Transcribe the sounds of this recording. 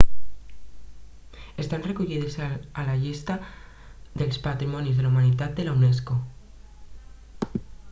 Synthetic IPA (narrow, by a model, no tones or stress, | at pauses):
e̞st̪anre̞kuʎiðesaalaʝest̪a | ðe̞lspat̪ɾimõ̞njiozðe̞laumanit̪at̪̚d̪e̞laune̞s̬ko